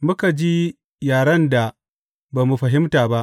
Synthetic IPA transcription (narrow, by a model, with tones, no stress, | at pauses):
mʊ˦ka˨d͡ʒi˦ | jaː˨ɽɐ˦nda˨ | baː˨mu˨ɸɐ˨ɦɪ˦mtaː˨ba˦ʔ